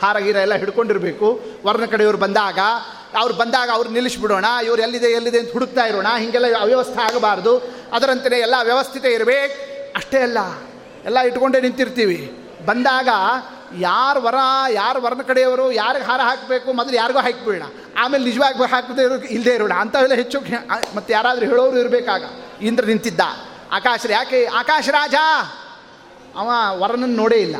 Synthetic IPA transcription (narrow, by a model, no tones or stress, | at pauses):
haːɾaɡiːɾɐɛlːɐɦiɽko̞ɳɖiɾɐbeːkuʋɐɾɐnɐkɐɽɛjɐʋɐɾubɐnd̪aːɡɐː | ʋɐɾubɐnd̪aːɡɐːʋɐɾunilisbiɽoːɳɐiʋɐɾuelːid̪eɐlːid̪eːnt̪ɐɦuɽuk̚t̪aːjiɾoːɳɐɦiŋɡɛlːɐʋjɐʋɐst̪ʰɐaːɡbaːɾd̪u | ɐd̪ɐɾɐnt̪ɐneːɛlːɐʋjɐʋɐst̪ʰit̪eiɾɐbeːkɐʂʈeɐlːɐ | ɛlːɐiʈko̞ɳɖenint̪iɾt̪iːʋi | bɐnd̪aːɡɐ | jaːɾuʋɐɾɐnɐjaːɾuʋɐɾɐnɐkɐɽɛjɐʋɐɾuːjaːɾiɡɦaːɾɐɦaːkbeːkumɐd̪ɐljaːɾiɡuːɦaːkbɛːɽɐ̰ | aːmeːlenid͡ʒɐʋaːɡɦaːkd̪eɾild̪eːiɾʋiɽɐɐnt̪ɐelːɐɦet͡ʃːuːkemɐt̪ːujaːɾaːd̪ɐɾuɦeːɭoːʋɾuːiɾbeːkaːɡɐ̰iːnd̪ɐɾɐnint̪id̪ːa̰ | a̰ːkaːʃɐɾjaːkeaːkaːʃɐɾaːd͡ʒɐ | ɐ̰ʋaʋɐɾɐnɐnːno̞ːɽeːilːɐ̰